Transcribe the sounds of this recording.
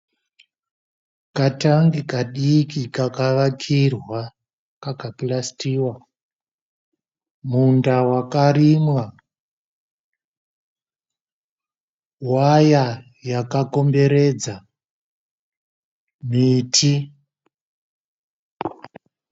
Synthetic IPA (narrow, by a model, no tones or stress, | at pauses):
kataŋɡikaɗikikakaʋakʰirwa | kakapilastiːwa | mundawakarimwa | waja | jakako̞mbe̞ɾe̞d͡za | mitʰi